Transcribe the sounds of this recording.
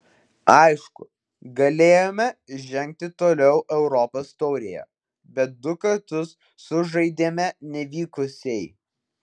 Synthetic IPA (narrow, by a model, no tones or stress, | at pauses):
ɐɪʃkʊ | ɡɐlʲeːjomʲɛʒʲɛŋʲk̚t̪ʲɪt̪oːlʲɛʊʔɛʊɾɔpost̪ɔːɾʲɪjɛ̰ | bʲɛt̪̚d̪ʊkɐɾt̪ʊsː | ʊʒɐɪd̪ʲeːmʲɛnʲɛʋʲiːkʊsʲɛɪ